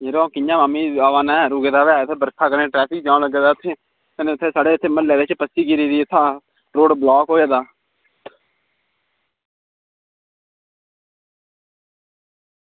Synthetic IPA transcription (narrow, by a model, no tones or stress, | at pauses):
eːɾõːkɪjãːmaːmiːaːʋaːnɛ̃ːɾuːɡeːd̪aːʋeat̪ʰeːbəɾkʰaːkəɾẽːʈɾɛːpʰɪk̚d͡ʒãːləɡeːd̪aːʊt̪ʰːeː | kəneːʊt̪ʰːeːsaːɽeːɪt̪ʰːeːmənlɛːd̪eːt͡ʃpəsiːkiɾiːd̪iːɪt̪ʰːãː | ɾoːɖblaːkɦoːeːd̪aː